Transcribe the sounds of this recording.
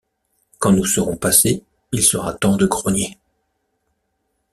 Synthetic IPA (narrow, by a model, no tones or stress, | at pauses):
kɑ̃nusəʁɔ̃pase | ilsəʁa̰t̪ɑ̃d̪əɡʁɔnje